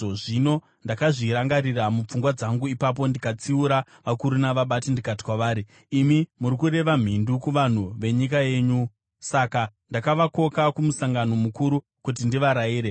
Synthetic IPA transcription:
ʐino̞ | ndakaʐiɾaŋɡaɾiramup͡fuŋɡwad͡zaŋɡuipap̬o̞ndikat͡siuɾa | ʋakuɾunaʋaɓatindikati̥kwaʋaːɾiː | mimuɾikuɾe̞ʋam̤indukuʋan̤uʋe̞ɲikaje̞ːɲu | sakandakaʋako̞kakumusaŋɡano̞mukuɾu | kut̬indiʋaɾaiːɾe

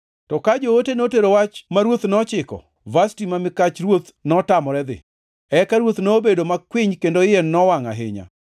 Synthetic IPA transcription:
tɔkad͡ʒootenoteɾowat͡ʃmaɾwot̪nɔt͡ʃɪkɔ̰ | vastimamɪkat͡ʃɾwot̪ | nɔtamɔɾɛd̪ɪ̰ | ɛkaɾwot̪nobedomakwiɲkendoɪenːɔwaŋa̰ɦɪ̰ɲa̰

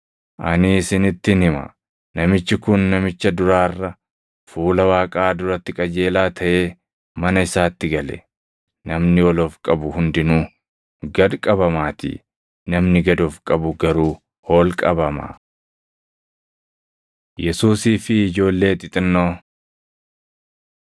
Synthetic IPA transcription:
ʔɐnɪːsɪnɪt̪ːɪnhɪmɐ̰ | nɐmɪt͡ʃːɪkʊnːɐmɪt͡ʃːɐd̪ʊɾaːrːɐ | fuːlɐwaːkʼaːd̪ʊɾɐt̪ːɪkʼɐd͡ʒe̞ːlaːt̪ʰɐʔe̞ː | mɐnɐɪsaːt̪ːɪɡɐlɛ̰ | nɐmnɪɔloːfkʼɐbʊhʊnd̪ɪnuː | ɡɐd̪kʼɐbɐmaːt̪ɪ̰ | nɐmnɪɡɐd̪oːfkʼɐbʊɡɐɾuː | ho̞ːlkʼɐbɐmɐ̰ | jɛsuːsiːfɪːd͡ʒo̞ːlːe̞ːt̪ʼɪt̪ʼɪnːoː

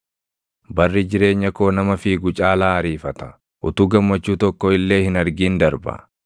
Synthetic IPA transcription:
bɐrːɪd͡ʒɪɾe̞ːɲːɐko̞ːnɐmɐfiːɡʊt͡ʃʼaːlaːɐɾiːfɐt̪ɐ̥ | ʔʊ̰t̪uːɡɐmːɐt͡ʃːuːt̪ɔkːɔɪlːe̞ːhɪnɐɾɡiːnd̪ɐɾbɐ̰

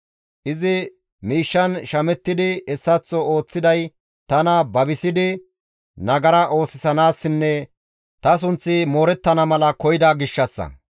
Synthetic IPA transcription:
ʔɪzɪ | miːʃːɐnʃɐmɛt̪ːɪd̪ɪɛsːɐt͡sːɔoːt͡sːɪd̪ɐj | t̪ɐnɐbɐbɪsɪd̪ɪ | nɐɡɐɾɐʔo̞ːsɪsɐnaːsːɪnːɛ | t̪ɐs̬ʊnt͡sːɪmoːɾɛt̪ːɐnɐmɐlɐkɔjɪd̪aːɡɪʃːɐsːɐ̰

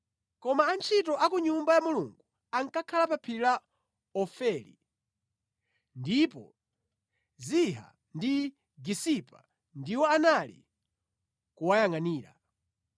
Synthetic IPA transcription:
kɔmaːnt͡ʃʰitɔʔakuɲumbajamuluŋɡu | aŋkakʰalapapʰila | ɔfɛlḭ | ndipɔ̰ | ziɦa̰ | ndi | ɡisipa̰ | ndiwɔanalḭ | kuwajaŋaniːɾa̰

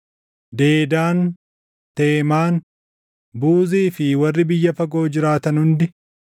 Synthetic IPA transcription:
d̪e̞ːd̪aːn | t̪e̞ːmaːn | buːziːfɪwɐrːɪbɪjːɐfɐɡo̞ːd͡ʒɪɾaːt̪ɐnhʊnd̪ɪ

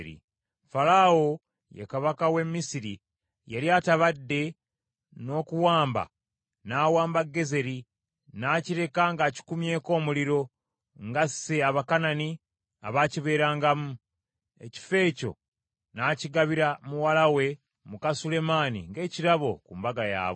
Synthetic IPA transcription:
ɾḭ | faɾao | jḛkaβakawe̞mːisiɾi | jaljataβadːe̞ | no̞ːkuwaːmba̰ | naːwaːmbaɡːe̞ze̞ɾi | naːciɾe̞kaŋɡaci̥kumje̞ːko̞ːmuliɾo̞ | ŋɡaseaβakanani | aβaːciβe̞ːɾaːŋɡamu | e̞̰ci̥fe̞ːco̞̰ | naːciɡaβiɾamuwalawe̞ | mukasule̞maːnḭŋɡe̞ːciɾaβo̞kumbaɡaja̰ːβo

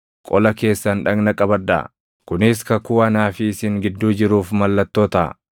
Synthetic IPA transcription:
kʼɔlɐke̞ːsːɐnᶑɐɡnɐkʼɐbɐd̪ːa̰ | kʊnɪskɐkuːɐnaːfɪɪsɪŋɡɪd̪ːuːd͡ʒɪɾuːfmɐlːɐt̪ːoːt̪ɐ̰

